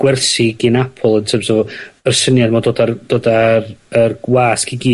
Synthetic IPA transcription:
ɡ̥wɛrsiɡɪnapʰɔlˠəntʰəmsɔvɔərsənjadmɔdoːdard̥oːdarərɡwaːskiɡiː

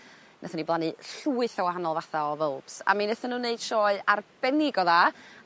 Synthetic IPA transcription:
nʔɛθəniblˠanɨɬuːɨθawahanɔlˠvaθaɔvəlˠb̥sa̰minɛθənːuːneɨd̥ʃɔɨarb̥ɛnɪɡɔðaː

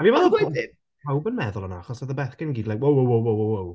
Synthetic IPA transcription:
avivɛɔðəoɪ | pʰawbənmɛðʊlˠənaaχɔsaðəbɛːθkənɡiːdlajkwowowowowowow

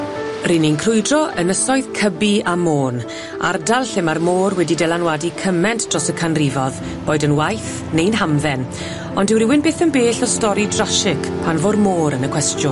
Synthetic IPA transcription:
rininkʰrʊjdrɔʔənəsɔɨð̥kʰəbiamoːn | a̰rdalˠɬɪmarmoːrwɛdidɛlˠanwadikʰəmɛntd̥rɔsəkʰanrɪvɔð | b̥oːjdənwajθ | nejnɦamðɛn | ɔndɪwɾɪwɪnbeːθənbeːɬɔstɔɾidraʃɪkʰpʰanvoːdmoːɾənəkʰw̥ɛstjʊn

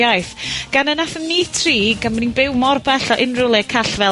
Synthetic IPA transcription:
ajθɡ̥anənaθənniːtʰriːɡanməninbɪwmɔrbɛɬɔʔɪnrʊlˠɛkʰaɬvɛ

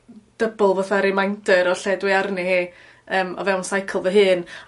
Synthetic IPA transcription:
d̥əbəlˠvoθɛɾɪmajndəɾɔɬɛdwɪarniheː | əːmɔ̰vɛwnsajkʰəlˠvəɦɨːn

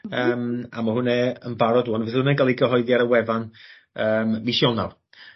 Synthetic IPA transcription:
əːma̰mɔɦʊnɛənbaɾɔduːɔnvɪθʊnɛɡalˠiɡəɦɔɨðjaɾəwɛvan | əːmviʃjɔnar

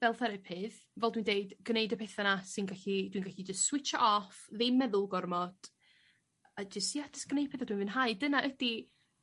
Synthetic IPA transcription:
vɛlˠθɛɾɪpʰɪð | vɛlˠdwindeɨdɡ̥nejdəpʰejθanasɪnɡaɬid̥winɡaɬid͡ʒəstswɪt͡ʃaʔɔfðɪmɛðʊlˠɡɔrmɔd̥ | ad͡ʒəstjatʰɪ̥sɡ̥neɨpʰɨðad̥winvɨnɦaɨdənaʔəd̥i

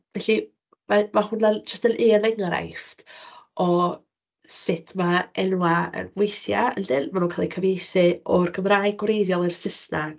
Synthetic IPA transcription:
vɛɬi | mamahʊnad͡ʒəstənʔiənɛŋɾa̰jftɔ | sɪtʰmaɛnwaə̰nwejθjaə̰ndɪnmanuːnkʰalˠikʰəvejθɨɔrɡəmraːjɡwrejðjɔlˠɪrsɪsnaɡ̥

